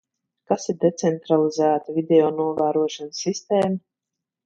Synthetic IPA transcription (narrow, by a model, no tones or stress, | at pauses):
kasiɾd̪et̪sɛnt̪ɾalˠizæːt̪avʲid̪ʲɛɔːnuɔvæːɾuɔʃansːist̪eːma